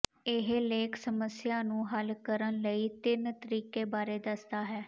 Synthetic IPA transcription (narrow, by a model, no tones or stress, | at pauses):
ɪɦleːksəməsɪjaːnũːɦəlkəɾənləiːt̪ɪnt̪əɾiːkeːbaːɾeːd̪əsd̪aːɦɛː